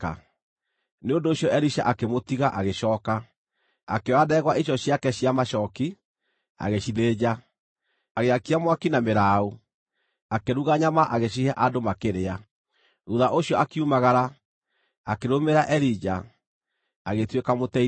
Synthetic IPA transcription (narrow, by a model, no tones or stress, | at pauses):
a̰ | neondoːɕjɔʔɛɾiʃa̰ʔakemotiɣaʔaɣeʃɔːka | akewaðɛɣwaʔiɕ̬jɔɕjakɛɕiamaʃɔki | a̰ɣeɕiðeːd͡ʑa | aɣeakiamwakinameɾaːu | akeɾuɣaɲamaʔaɣeɕihaʔadomakeɾea | ɾuðaʔoɕjɔʔakiumaɣaɾa | akeɾomeɾaʔɛɾid͡ʑa | aɣetwekamotɛ